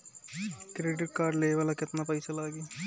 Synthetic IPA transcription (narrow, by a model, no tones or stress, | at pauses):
kɾeːɖɪʈ̚kaːɾɖleːʋaːlakɪt̪napəjsalaːɡiː